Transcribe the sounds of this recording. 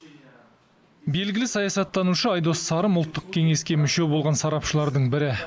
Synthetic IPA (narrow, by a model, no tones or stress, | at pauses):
be̞lɡʲɪlɪsɑjɑsɑt̪ːɑnuʃəɑjd̪o̞sːɑɾəmʊlˠt̪ːəq̚kʲʰe̞ŋe̞skʲe̞mʏʃe̞wbolˠʁɑnsɑɾɑpʃəlˠɑɾd̪əɴbɪɾɪ